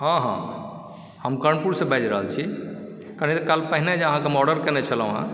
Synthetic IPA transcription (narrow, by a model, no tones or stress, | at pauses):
ɦãɦã̰ | həmkəɳpuɾsẽbɛd͡ʒɾəɦəlt͡ʃʰi | kaɾənit̪ɔkalpəɦined͡ʒəɦãkemɔɖəɾkɛ̃net͡ʃʰəl̃ɦã̰